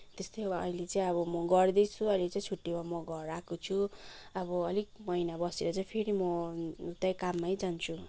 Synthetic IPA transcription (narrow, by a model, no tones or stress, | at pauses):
t̪est̪ʌjʌ̰jlet͡saĩʌβʌmʌɡʌrd̪ʌjt͡sʰuʌjlet͡saĩt͡sʰuʈːimamʌɡʌrɾakot͡sʰuʌbʌʌlik̚mʌinabʌseɾʌt͡saĩpʰeɾimʌt̪ʌjkamːajd͡zant͡sʰu